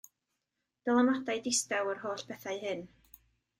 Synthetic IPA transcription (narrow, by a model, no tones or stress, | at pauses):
d̥əlˠamadajdɪstawərɦoːɬpʰɛθajhɨn